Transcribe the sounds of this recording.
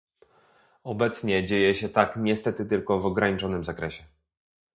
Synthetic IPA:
ɔbɛt̪sɲɛd͡ʑejɛɕɛt̪akɲɛst̪ɛt̪ɘt̪ɘlkɔvɔɡɾaɲit͡ʂɔnɘmzakɾɛɕɛ

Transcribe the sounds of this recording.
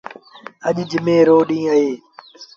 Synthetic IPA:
əʄd͡ʒɪmẽːɾoːɗĩːəɦeː

